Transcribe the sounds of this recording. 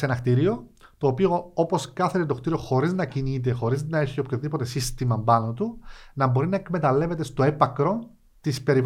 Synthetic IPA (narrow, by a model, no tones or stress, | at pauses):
senɐxt̪iɾio̞t̪o̞ːpio̞opo̞skɐθeɾet̪o̞xt̪iɾio̞xo̞ɾiznɐcinit̪̬exo̞ɾiznɐe̞çio̞pçoðipo̞t̪e̞sist̪imɐmbɐno̞t̪unɐbo̞ɾinɐekme̞t̪ɐle̞ve̞t̪e̞st̪o̞e̞pɐkɾo̞ | t̪ispe̞ɾi